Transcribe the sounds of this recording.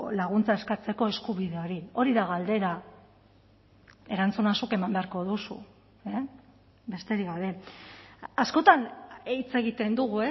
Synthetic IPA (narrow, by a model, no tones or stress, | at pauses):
laɣ̞unt͡sae̞skat͡se̞ko̞e̞skuβiðe̞o̞ɾio̞ɾiðaɣald̪e̞ɾa | e̞ɾant͡sunasuke̞mambe̞aɾko̞ðusṵ | e | be̞st̪e̞ɾiɣawɾe̞ | asko̞t̪anit͡se̞ɣit̪e̞nd̪uɣue